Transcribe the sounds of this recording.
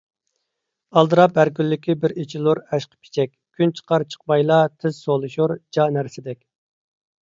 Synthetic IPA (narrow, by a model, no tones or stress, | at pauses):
ɑlˠd̪ɨɾɑp̚ːæɾkʲylːɪkʲʰibɪɾet͡ʃʰilˠuɾɛʃqʰə̥pʰi̥t͡ʃʰɛkʲkʲʰːynt͡ʃʰə̥qʰɑɾt͡ʃʰə̥q̚mɑjlˠɑt̪ʰɪz̥solˠɨʃuɾd͡ʒɑnæɾsɪd̪ɛkʲ